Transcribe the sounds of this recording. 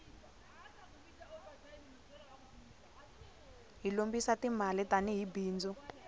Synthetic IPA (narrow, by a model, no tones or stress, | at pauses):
ɦilombisatimalɛtaniɦibiːnd͡zɔ